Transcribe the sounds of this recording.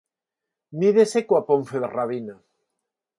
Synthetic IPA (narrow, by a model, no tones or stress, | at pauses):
niðesekwapoɱfeðeraβ̞ina